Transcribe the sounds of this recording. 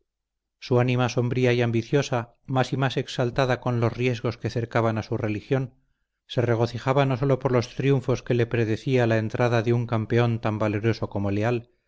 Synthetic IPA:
suanimaso̞mbɾiaijambiθjo̞sa | masimase̞ksalt̪aðako̞nlo̞zrje̞zɣo̞ske̞θe̞ɾkaβanasure̞lixjo̞n | se̞re̞ɣ̞o̞θixaβano̞so̞lo̞po̞ɾlo̞st̪ɾjuɱfo̞ske̞le̞pɾe̞ðe̞θialaent̪ɾaðaðeuŋkampe̞o̞nt̪ambale̞ɾo̞so̞ko̞mo̞le̞al

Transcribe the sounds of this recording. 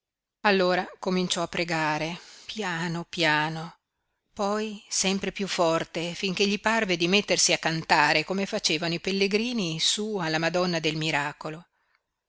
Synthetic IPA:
alːoːɾakomint͡ʃɔapːɾeɡaːɾepjaːnopjaːno | pɔjsɛmpɾepjufːɔrt̪efiŋk̟eʎːiparved̪imet̪ːersiakːant̪aːɾekomefat͡ʃeːvanoipelːeɡɾiːnisualːamad̪ɔnːad̪elmiɾaːkolo

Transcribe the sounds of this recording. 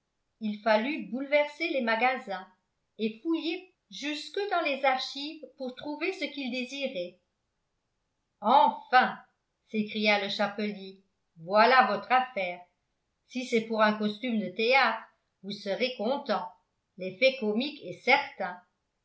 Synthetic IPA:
ilfalybulvɛʁselemaɡazɛ̃ | efuje | ʒyskəd̪ɑ̃lezaʁʃivpuʁt̪χuvesəkild̪eziʁɛ | ɑ̃fɛ̃ | sekχijaləʃapəlje | vwalavɔt̪χafɛːʁ | sisɛpuʁɛ̃kɔst̪ymd̪ət̪eat̪χ | vusəʁekɔ̃t̪ɑ̃ | lefɛkɔmikɛsɛʁt̪ɛ̃

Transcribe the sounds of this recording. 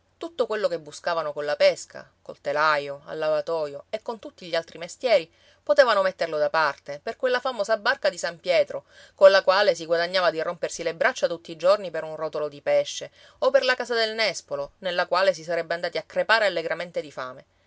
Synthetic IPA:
t̪ut̪ːokwelːokebːuskaːvanokonlapɛskʰa̰kolt̪elajoa̰lːavat̪ɔːjoekːont̪ut̪ːiʎːialt̪ɾimest̪jɛːɾi | pot̪eːvanomet̪ːerlod̪apart̪eperkwelːafamoːzabːarkad̪isampjɛːt̪ɾo | konlakwaːles̬iɡwad̪aɲːaːvad̪irompersilebɾat͡ʃːat̪ut̪ːiːd͡ʒornipeɾunrɔt̪olod̪ipɛʃːe | operlakaːsad̪elnɛspolonelːakwaːles̬isaɾɛbːeand̪aːt̪iakːɾepaːɾealːeɡɾament̪ed̪ifa̰ːme

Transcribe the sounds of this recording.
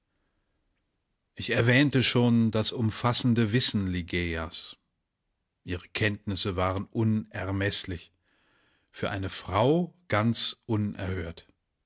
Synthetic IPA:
ʔɪçɛɐvɛːntəʃoːndasʊmfasn̩dəvɪsn̩liɡeas | ʔiːʁəkʰɛntnɪsəvaːʁənʔʊnʔɛɐmɛslɪç | fyːɐʔaɪnəfʁ̥aʊɡ̥ant͡sʔʊnʔɛ̰ɐhøːɐt

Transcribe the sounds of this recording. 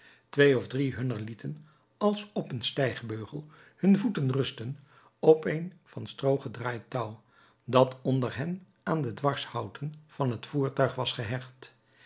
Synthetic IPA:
tʋejɔvdriɦɵnəɹlitʰən | ɑlˠsɔpənstɛjχbøɥχəlˠ | hɵnvutənrɵstən | ɔpejnv̥ɑnstrowχədraːjtʌw | dɑtʰɔndəɹɦɛn | ʔaːndədʋɑɹshʌwtənv̥ɑnɦətfuːɹtœɥχʋɑsχəɦɛχt

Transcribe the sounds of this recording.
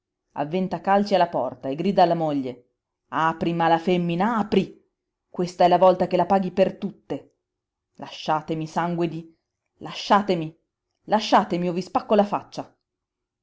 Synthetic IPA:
a̰vːɛnt̪akalt͡ʃialːapɔrt̪aeɡːɾiːd̪aːlːamoʎːe | aːpɾimalafemːinaaːpɾi | kwest̪aɛlːavɔlt̪ak̟elapaːɡipert̪ut̪ːe | lʔaʃːaːt̪emisaŋɡwed̪i | laʃːaːt̪emi | laʃːaːt̪emiovːispakːolafat͡ʃːa

